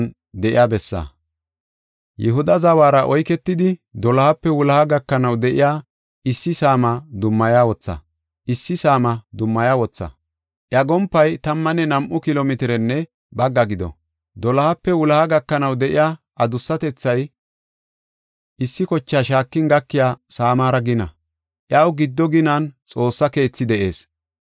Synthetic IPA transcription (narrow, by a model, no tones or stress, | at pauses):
n | d̪ɛʔɪjaːbɛsːa̰ | jɛɦʊd̪ɐzɐwaːɾɐʔɔjkɛt̪ːɪd̪ɪd̪ɔlɐhɐpːɛwʊlɐhɐɡɐkːɐnɐwd̪ɛʔɪjaː | ʔɪsːɪsaːmɐd̪ʊmːɐjaːwɔt͡sːɐ̰ | ʔɪsːɪsaːmɐd̪ʊmːɐjaːwɔt͡sːɐ̰ | ʔjɐɡɔmpːɐjt̪ɐmːɐnɛnɐmʔʊkɪloːmɪt̪ɪɾɛnːɛ | bɐɡːɐɡɪd̪ɔ̰ | d̪ɔlɐhɐpːɛwʊlɐhɐɡɐkːɐnɐwd̪ɛʔɪ̰jaː | ʔɐd̪ʊsːɐt̪ɛt͡sːɐj | ʔɪsːɪkɔt͡ʃːaːʃaːkːɪnɡɐkːɪjaːsaːmaːɾɐɡɪnɐ̰ | ʔjɐwɡɪd̪ːɔɡɪnɐnt͡sʼo̞ːsːɐke̞ːt͡sːɪd̪ɛʔe̞̰ːs